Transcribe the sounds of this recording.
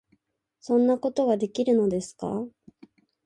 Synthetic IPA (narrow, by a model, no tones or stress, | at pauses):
sõ̞nːako̞t̪o̞ɡad̪e̞kʲiɾɯ̟no̞d̪e̞sɨ̥ka̰